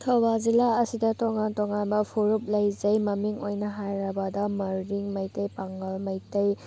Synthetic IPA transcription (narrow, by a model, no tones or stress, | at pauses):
tʰowbazilaɐsidɐtɔŋantɔŋanbɐpʰuɾup̚lɐjzɐjmɐmiŋojnɐɦajɾɐbadɐmɐɾːiŋmɐjtɐjpaŋɡɐlmɐjtɐj